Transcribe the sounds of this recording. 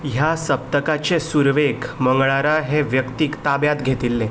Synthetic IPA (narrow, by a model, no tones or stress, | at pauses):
ɦjasəp̚t̪əkat͡ɕesuɾʋekməŋɡɭaɾaɦeʋjəkt̪iːkt̪abjat̪ɡʱet̪ilːẽ